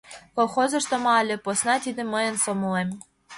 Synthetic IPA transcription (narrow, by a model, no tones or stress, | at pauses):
kolˠxozɤ̆ʃt̪omɑlʲĕposnɑt̪id̪ĕməjə̆nsomɤ̆lem